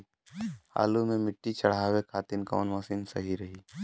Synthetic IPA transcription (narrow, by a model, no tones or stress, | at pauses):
ha̰ːlumẽmɪʈːit͡ʃɐɽ̤aːwekʰaːt̪ɪnkɔ̰ːnmɐsinsɐ̰ɦiɾɐɦiː